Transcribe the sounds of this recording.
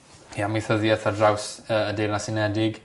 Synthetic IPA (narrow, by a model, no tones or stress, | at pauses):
jamiθəðjɛθadrawsəːədejrnasɪnɛdɪɡ